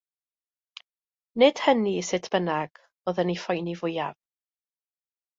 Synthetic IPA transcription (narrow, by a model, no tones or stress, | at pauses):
nɪd̥hənisɪtʰb̥ənaɡ̥ | oːðənifɔjnivʊjav